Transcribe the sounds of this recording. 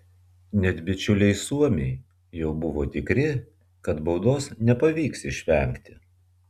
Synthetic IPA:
nʲɛt̪ʲbʲɪt͡ʃʲʊlʲɛɪsuɔmʲeɪ | jɛʊbʊʋoːt̪ʲɪkɾʲɪ | kɐt̪bɐʊd̪oːsnʲɛpɐʋʲiːksɪʃʲʋʲɛŋʲkt̪ʲɪ̥

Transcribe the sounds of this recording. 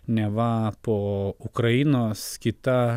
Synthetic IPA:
nʲɛʋɐpoːʊkɾɐɪnoːskʲɪt̪ɐ

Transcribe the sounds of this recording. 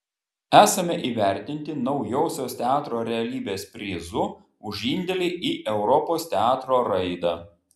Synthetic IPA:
æːsɐmʲɛʔiːʋʲæˑɾʲt̪ʲɪnʲt̪ʲɪnɒʊjoːsʲoːst̪ʲɛɑːt̪ɾoːɾʲɛɐlʲiːbʲeːspʲɾʲiːzʊ | ʊʒʲɪnʲd̪ʲɛlʲɪʔiːʔɛʊɾɔpoːst̪ʲɛɑːt̪ɾoːɾɐɪd̪ɑːˑ

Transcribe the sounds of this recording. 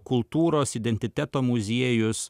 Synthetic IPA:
kʊlˠt̪uːɾoːsɪd̪ʲɛnʲt̪ʲɪt̪ʲæt̪oːmʊzʲiɛjʊs

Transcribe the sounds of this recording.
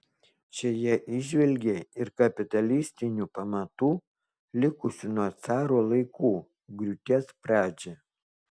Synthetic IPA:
ʃʲɛjɛʔɪʒʲʋʲɛlʲɡʲeːɪɾkɐpʲɪt̪ɐlʲɪsʲt̪ʲɪnʲuːˑpɐmɐt̪uː | lʲɪkʊsʲʊnuɔt̪sɑːɾoːlˠɐɪkuː | ɡɾʲʊt̪ʲɛːspɾɑːd͡ʒʲe

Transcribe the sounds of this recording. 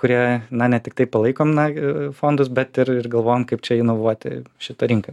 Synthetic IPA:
kʊɾʲiɛnɐnʲɛt̪ʲɪk̚t̪ɐɪpɐlˠɐɪkoːmnɐfoːnd̪ʊsbʲɛt̪ɪrɪrɡɐlˠʋoːjoːmkɐɪp̚t͡ʃʲɛɪnoʋuɔt̪ʲɪ̰ʃʲɪt̪ɐɾʲɪŋkɐ

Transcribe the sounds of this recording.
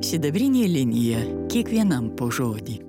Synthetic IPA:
sʲɪd̪ɐbʲɾʲinʲilʲɪnʲɪjɛkʲiɛkʋʲiɛnɐmpoʒoːd̪ʲi

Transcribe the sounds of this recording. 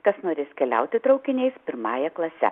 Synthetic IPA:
kɐsnoːɾʲɪskʲɛlʲɛ̰ʊt̪ʲɪt̪ɾɒʊkʲɪnʲɛɪspʲɪɾmɑːjɛklˠɐsʲɛ̰

